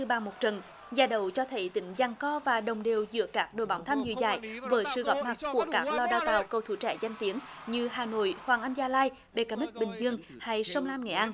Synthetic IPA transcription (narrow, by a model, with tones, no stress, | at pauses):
ɨ˧ɓaː˧˩mo˨˩t̚t͡ɕə˨˩n | zaː˧˩ɗə˧˨˩wt͡ɕɔ˧t̪ʰə˨˦jt̪ï˧˦ŋ̟za˧˩ŋkɔ˧vaː˨˩ɗə˨˩wŋ͡mɗe˨˩wzɨ̰˧˥əkaː˦˥k̚ɗo̰˧˨jɓaː˨˦wt̪ʰa˧mzɨ̰˧˨zaː˧˩jvəː˨˦jsɨ̰˧˨˩ɣɔ˨˩p̚ma˨˩t̚ku˧˩əkaː˦˥k̚lɔ˧ɗaː˧wt̪a̰ː˧˨wkə˧˩wt̪ʰṵ˧˥t͡ɕɛ̰˧˥za˧jŋ̟t̪i˨˦ən | ɲɨ˧ɦaː˨˩no̰˧˨jhwaː˨˩ŋʔa˧jŋ̟zaː˧laː˧j | ɓe˨˩kaː˨˦mï˦˥k̚ɓï˨˩ŋ̟zɨ˧əŋ | ha˧jsə˧wŋ͡mlaː˧mŋɛ̰˧˩jʔa˧n